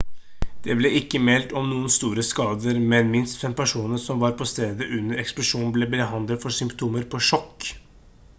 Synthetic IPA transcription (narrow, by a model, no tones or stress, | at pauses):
d̪̥ɛblɛʔɪkːəmɛlt̪ɔmnuːənst̪uːɾəskɑːd̪əɾmɛnmɪnst̪fɛmpæʂuːnəsɔmʋɑɾpʰɔst̪eːd̪əʔʉnːəɾɛksplʊʂuːn̩bleb̪ɛɦɑnd̪əlfɔsʏmpt̪ʰuːməɾpʰɔʂɔkː